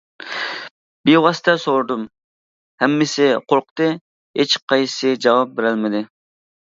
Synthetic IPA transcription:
biwɑst̪ɛsoɾd̪ɨm | hɛmːɪsɪqʰoɾqt̪ɨ | et͡ʃqʰɑjsɪd͡ʒɑwɑp̚beɾɛlmɪd̪ɪ

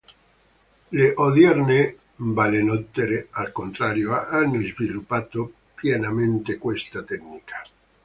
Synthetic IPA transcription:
leʔod̪jɛrne | balenot̪ːeɾealkont̪ɾaːɾjoaanːozvilupːaːt̪o | pjɛnament̪ekwest̪at̪ɛknikʰḁ

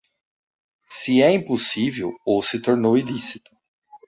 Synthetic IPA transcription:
sɪɛĩpusivewowsɪt̪oɾnowilisit̪ʊ̥

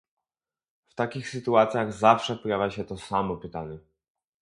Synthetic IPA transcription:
ft̪akʲixsɘt̪uat̪sʲjaɣzafʂɛpɔjavʲjaɕɛt̪ɔsamɔpɘt̪aɲɛ

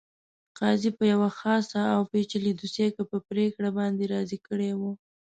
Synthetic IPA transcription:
qɑzipəjawaxɑsaːwpet͡ʃəlid̪usjekapəpɾekɽabɑnd̪eɾɑzikəɽewu

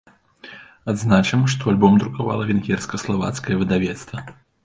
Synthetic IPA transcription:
ad̪znat͡ʂɨmʂt̪ɔalʲbɔmd̪ɾukava̰lˠɐvʲɛnɣʲɛrskɐslˠava̰t̪skɐjɛvɨd̪avʲɛt̪st̪vɐ

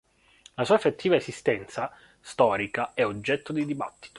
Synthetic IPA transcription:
lasuːaefːet̪ːiːvaesist̪ɛnt̪sa | st̪ɔːɾikaɛod͡ʒːɛt̪ːod̪id̪ibat̪ːi̥t̪o̥

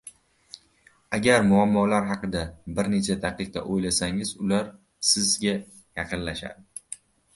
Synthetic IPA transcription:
aɡʲaɾmʊamːɒlaɾɦɑqɨd̪abɪɾne̞t͡ʃʰad̪ɑqɨq̚ɑ̰ʔojlasaŋɪzʊlaɾ | sɪzɡʲa | jɑqʰɨnlaʃa̰d̪ɪ

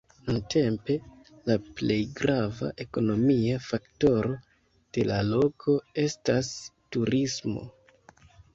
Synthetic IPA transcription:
nuntʰe̞mpe̞ | laple̞jɡɾava̰ʔe̞ko̞no̞miafakto̞ɾo̞ | d̥e̞lalo̞kʰo̞e̞stastuɾismo̞̰

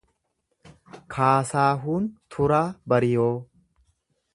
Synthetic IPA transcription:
kʰaːsaːɦuːnt̪ʰʊɾaːbɐɾɪjoː

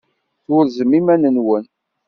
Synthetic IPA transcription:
θʊɾzəmimænənwən

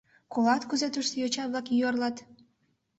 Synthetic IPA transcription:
kolɑt̪kuzet̪əʃsejot͡ɕɑblˠɑkijuɑrlˠɑt̪

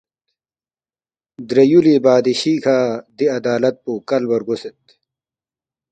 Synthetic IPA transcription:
d̪ɾɐjulibaːd̪iɕiːkʰaːd̪iɐd̪aːlɐt̪̚pukɐlbɐɾɡuset̪̚

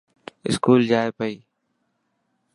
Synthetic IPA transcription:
ɪ̰skuːld͡ʒaːepəiː

